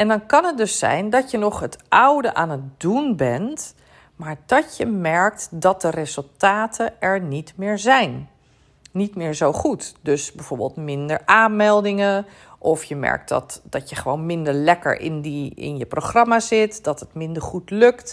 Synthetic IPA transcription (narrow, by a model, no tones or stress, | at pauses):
ɛndɑnkɑnɦət̚dɵsɛ̰jndɔtjənɔχɦətʔʌwdəʔaːnət̚dunbɛnt | maːɹdɔtjəmɛɹk̚tdɔt̚dərezəlˠtaːtʰəɛɹnitmɪːɹzɛjnː | itmɪːɹzowχutdøsbɛvoːɹbə̰lˠtmɪndəɹʔaːnmɛlˠdɪŋə | ʔɔfjəmɛ̰ɹk̚tdɔ̰td̥ɔtjəχəʋownmɪndəɹlɛkə̰ɹʔɪ̰ndiɪ̰njəproχrɑmazɪtdɔtətmɪndəɹχutlɵkt